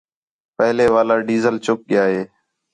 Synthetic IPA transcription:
pəɦleːʋaːlaːɖiːzəlt͡ʃʊk̚ɠɪjaːɦeː

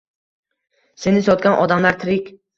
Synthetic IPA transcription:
se̞nɪsɒt̪̚ɡʲanʔɒd̪amlaɾt̪ʰɪɾɪkʲ

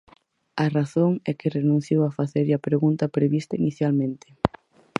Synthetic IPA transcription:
ɐraθoŋɛkɪrenũnθjowafaθeɾɐpɾeɣunt̪ɐpɾeβist̪ainiθjalmẽnt̪ɪ̥

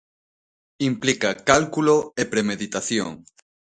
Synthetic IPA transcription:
implikakalkuloepɾemeðit̪aθjo̰ŋ

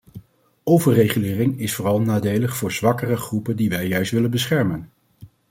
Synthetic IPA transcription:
owvəɹrejχylɪːrɪŋɪsfʊːrɑlˠnaːdejləχfʊːɹzʋɑkərəχrupəndiʋɛjːœɥstʋɪlənbəsχɛɹmən

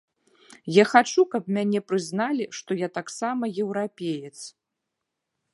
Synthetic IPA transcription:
jaxat͡ʂukɐp̚mʲanʲɛpɾɨznalʲiʂt̪ɔjat̪aksamɐjɛwɾapʲejɛt̪s

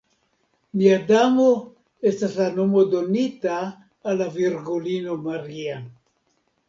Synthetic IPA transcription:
miadamo | e̞staslano̞mo̞do̞nitaː | lːaviɾɡulino̞maɾia

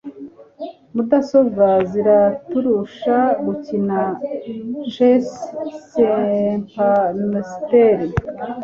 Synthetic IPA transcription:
mudasovaziɾatuɾuʃaɡucina | ʒessempamesteɾ

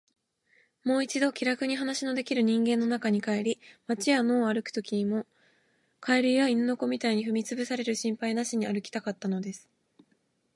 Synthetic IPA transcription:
mo̞ːit͡ɕid̪o̞kʲiɾakɯ̟ɲ̟iɦanaɕino̞d̪e̞kʲiɾɯ̟ɲ̟ĩŋɡẽ̞nːo̞nakaɲ̟ikae̞ɾʲimat͡ɕiano̞ːaɾɯ̟kɯ̥t̪o̞kʲiɲ̟imo̞ | kʰaeɾʲiβainɯno̞ko̞mʲit̪aiɲ̟iɸɯ̟mʲit͡sɨbɯ̟saɾe̞ɾɯ̟ɕĩmpainaɕiɲ̟iaɾɯ̟kʲi̥t̪akat̪ːano̞d̪e̞sɨ̥

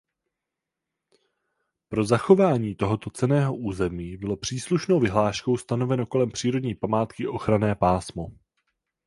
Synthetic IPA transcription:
pɾo̞zaxo̞vaːɲiːt̪o̞ɦo̞t̪o̞t͡sɛnɛːɦo̞ʔuːzɛmiːbɪlo̞pr̝̥iːsluʃno̞wvɪɦlaːʃko̞wst̪ano̞vɛno̞ko̞lɛmpr̥iːɾodɲiːpamaːt̪kɪʔo̞xɾanɛːpaːsmo̞

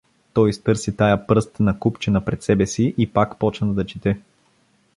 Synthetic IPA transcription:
t̪ɔjst̪ɤɾsit̪ajapɾɤst̪nɐkupt͡ʃɛnɐpɾɛt̪sɛbɛsiʔipakpɔt͡ʃnəd̪ɐt͡ʃit̪ɛ

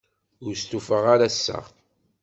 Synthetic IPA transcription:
ʊɾst̪ufəʁaɾasːə̰ʁ

